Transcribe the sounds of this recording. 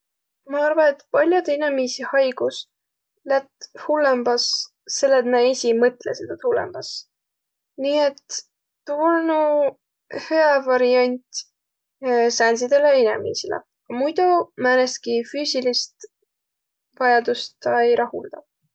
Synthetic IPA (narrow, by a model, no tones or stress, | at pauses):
mɑɑrvɑet̪pɑlʲjud̪inemiːsihɑjɡ̥us | læt̪hulːembɑs | se̞lːet̪mæesʲimɤt̪ˑlesed̪̥ɑt̪hulːḛmb̥ɑs | niːet̪ː | urnu | heævɑɾiɑnʲt̪ʲ | sænsid̪̥e̞leinḛmḭːsilḛ | kɑmujd̪umæːnes̚kifyːsilist̪ | vɑjɑd̪ust̪ɑejɾʔɑhuld̪̥ɑ